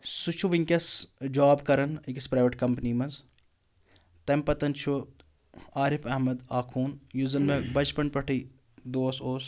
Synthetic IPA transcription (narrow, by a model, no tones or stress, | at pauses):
sut͡ʃʰuʋiŋkʲɐsd͡ʒaːbkɐɾɐnikispɾaːʋəʈkɐmpnimɐnz | t̪ɐmpɐt̪ɐnt͡ʃʰu | aːɾɪpʰɐɦmɐd̪aːkʰuːnjuzɐnmẽbɐt͡ʃpɐnpɐʈʰi | d̪oːsoːs